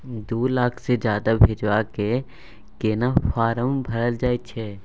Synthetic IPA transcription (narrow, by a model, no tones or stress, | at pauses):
d̪oːlaːkʰsed͡ʒjaːd̪abʱɪd͡ʒwaːke | keːnafaːɾəmbʱɐɾəld͡ʒaːet͡ʃʰɛː